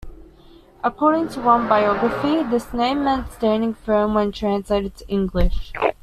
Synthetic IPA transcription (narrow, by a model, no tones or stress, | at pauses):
ʔəkʰɔɹɾɪ̃ŋtʰəwʌ̃nbaɪɔɡɹəfiðɪsnẽɪ̃mːɛ̃ntstæ̃ndɪ̃ŋfɜ̃˞mwə̃ntʰɹ̥æ̃nsleɪɾɨsɪ̃ŋɡlɪʃ